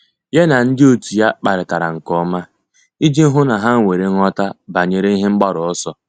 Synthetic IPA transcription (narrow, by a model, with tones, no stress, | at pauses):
je˦na˨n̩˦dɪ˦o˨tu˨ja˦k͡pa˨ɾɪ˨ta˨ɾa˨ŋ̩˨kɔ˦ma˦ | i˦d͡ʒi˦ɦʊ˦na˨ɦa˦ŋ̩˨ŋʷe˨ɾe˨ŋ˦ɔ˦ta˦ba˨ɲe˨ɾe˦i˦ɦɪ˦ŋ͡m̩˦ɡ͡ba˦ɾɔ˨ɔ˦sɔ˦